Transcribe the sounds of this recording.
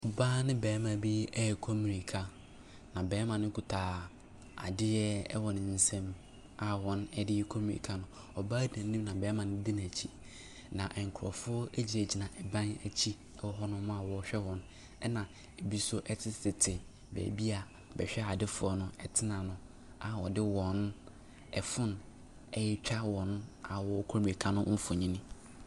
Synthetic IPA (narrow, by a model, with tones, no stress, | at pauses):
ɔ˨baː˦nɪ̃˦bɛː˨˦mã˨bi˦ɛ˦˨kʰɔ˦mĩ˨ni˨kʰa˨ | nã˨bɛː˨˦mã˨nɪ̃˦kʰu˨tʰaː˨ | a̰˨dɪ˦jɛ˦ɛ̰˦wɔ˨nɪ̃˨n̩˦sɛ̃˦m | a˦˨wɔ̃˦nɛ˦dɪ˦ɛ˦kʰɔ˦mĩ˨nḭ˨kʰa˨nʊ̃˦ | ɔ˨baː˦dã˨nː˦ĩ˦mnã˨bɛː˨˦mã˨nɪ̃˦dɪ˦nã˨t͡ɕʰi˦ | nã˨ʔɛ˨ŋ̩˨kʰʊ˨ɾɔ̰˨fʊ˦ɔ˦e˦d͡ʑi˨e˨d͡ʑi˨nã˨ʔɛ˨bã˦næ˨t͡ɕʰi˦ | wɔ˦ɦɔ˦nʊ̃˦mã˦a˨wɔ˦ɕᶣɛ˦wɔ̃˨n | ɛ˦nã˨ | e˨bi˦sɔ˦ʔɛ˦tʰɪ˦sɪ˨tʰɪ˨ | bɛ̰ː˨bi˦a˨ | bɛ̰˨ɕᶣɛ˦a˨dɪ˦fʊ˨˦ɔ˦nʊ̃˦ɛ˨tʰɪ˦nã˨nʊ̃˦ | a˨wɔ˨dɪ˦wɔ̃˨n | ɛ˨fʊ̃˦n | ɛ˦jɛ˦t͡ɕᶣa˦wɔ̃˨na˨wɔ˦kʰo˦mi˨kʰã˦nʊ̃˦m̩˦fʊ˨ɲĩ˦nĩ˦